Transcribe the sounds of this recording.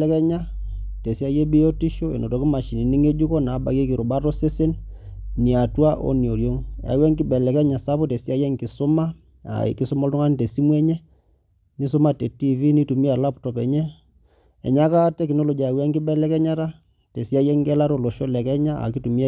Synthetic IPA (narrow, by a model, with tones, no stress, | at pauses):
ɛ˦kɛ˦ɲa˦te˨si˦a˦jɛ˦bi˦ɔ˦ti˦ʃo˦ɛ̰˨no˨tɔ˨ki˦ma˨ʃi˨ni˨ni˦ŋe˦d͡ʒu˦kɔ˦na˨˦ba̰˨ke˦ki˨ɾʊ˨ba˦tɔ˦se˦se˦nni˨a˨twa˦ʔɔ̰˦ni˨o˨ljo˦ŋa̰˨wɛ˦ŋkɪ˦bɛ˨lɛ˨kɛ˦ɲa˨sa˦pɔ˦te˨si˦a˦jɛ˦ŋki˨sʊ˦ma˦ | a̰˨ki˦sʊ˦mɔ˦ltɔ˦ŋa˦ni˨te˨si˦mwɛ˦ɲɛ˦ | ni˦s̬ʊ˦ma˦tɛ˨ti˦vi˦ni˦tu˨mi˦a˨la˦ptɔ˨pɛ˨ɲɛ˦ | ɛ̰˨ɲa˦ka˦tɛ˦knɔ˦lɔ˨d͡ʒi˨a˨a˨wɛ˦ŋkɪ˦bɛ˦lɛ˦kɛ˦ɲa˦ta˦ | te˨si˦a˦jɛ˦ŋkɛ˦la˦ɾɔ˨lɔ˨ʃɔ˦lɛ˨kɛ˦ɲa˦a̰˨ki˦tu˨mi˦